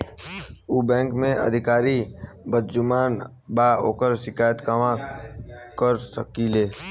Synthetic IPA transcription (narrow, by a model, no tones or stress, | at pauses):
uːbɛ̃ːŋkmẽə̰d̪ʱɪkaːɾi | bəd̪d͡ʒʊmaːn | baːo̰ːkəɾʃɪkaːjət̪kamã | kəɾsəkileː